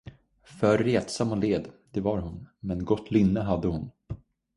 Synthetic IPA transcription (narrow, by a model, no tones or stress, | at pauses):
fœɾːeːt̪samːɔleːd̪d̪̥ɛvaɾhʊnmɛnɡɔt̪ʰːlʏnːəɦad̪ːəhʊn